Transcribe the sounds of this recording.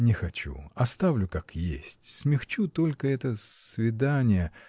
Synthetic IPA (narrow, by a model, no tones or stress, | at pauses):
nʲɪxɐt͡ɕṵɐst̪avlʲʊkakjḛsʲtʲsmʲɪxt͡ɕut̪o̞lʲkəɛt̪əsvʲɪd̪anʲɪjə